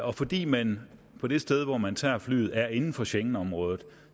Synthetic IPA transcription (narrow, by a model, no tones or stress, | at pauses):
ɒ̽fɒ̽d̥ḭːmæn | pʰɒ̽d̥e̝sd̥eð̞ˠʋɒmænt͡sʰɑ̰ɐfly̰ːð̩ˠæɐe̝nn̩fɒ̽ɕeŋn̩ɒ̽mʁɔ̽ːð̞ˠð̩ˠ